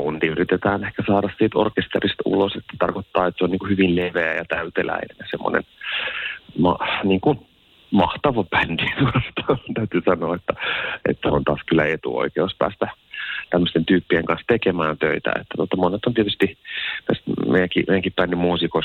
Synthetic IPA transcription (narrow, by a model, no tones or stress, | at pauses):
unt̪iyrit̪et̪æːnehkæsɑːɾɑssiːt̪o̰rkest̪erist̪ṵloset̪ːæ̥t̪ɑrkot̪ːɑːet̪seoniːŋkuhyʋilleʋeæjɑt̪æyt̪elæ̰inḛnɑsemːo̰nḛn | mɑniːŋkun | mɑht̪ɑʋɑpændit̪uost̪ɑt̪æyt̪yːsɑnoːet̪ːæḛt̪ːæont̪ɑːskylːˑæet̪ṵo̰ikeospæ̰ːst̪æt̪æmːøst̪ent̪yːpːieŋkɑnst̪ekemæːnt̪øit̪æ̰ḛt̪ːæ̥t̪uot̪ːɑmonet̪ːont̪iet̪yst̪ipesmḛjæŋkimḛjæŋkippænːimuːsiko